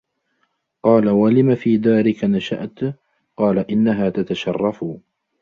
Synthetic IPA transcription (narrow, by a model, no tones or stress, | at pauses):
qɑːlawalɪmafiːd̪aːɾɪkanaʃa̰ʔt̪ | qɑːlaʔɪnːaɦaːt̪at̪aʃɑrˤːɑf